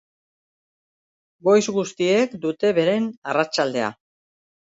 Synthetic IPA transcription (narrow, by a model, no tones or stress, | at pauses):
ɡo̞jzɡust̪ie̞kd̪ut̪e̞βe̞ɾe̞narat͡ʃald̪e̞a̰